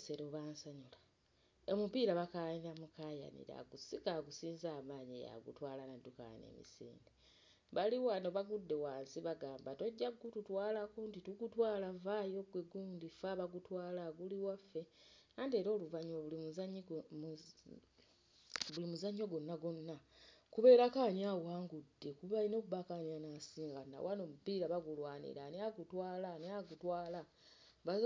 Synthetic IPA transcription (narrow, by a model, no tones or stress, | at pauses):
seɾoβaːnsaɲula | omupiɾaβakaniɾamukaja̰nḭɾa̰ɡusikaɡusiːnzaːmaːɲḛja̰ɡṵtwaːlanadːuka̰nḛmḭsḭːnde | βaliwanoβaɡudːe̞waːsiβaɡaːmbato̞ɟːaɡututwaːlakontituɡutwaːlavajo̞ɡweɡuːndifaβaɡutwaːlaɡuliwafːe̞naːndie̞ːɾo̞ːluvaɲuaβulimzɲ | βulimuzaɲːoɡonːaɡonːakuβe̞ːɾakaːɲawaːŋɡudːe̞kuβainoːkuβakaɲanasiːŋɡana̰wanomubiːɾaβaɡulwaːnḭɾaneaɡutwaːlaneaɡutwaːla | βa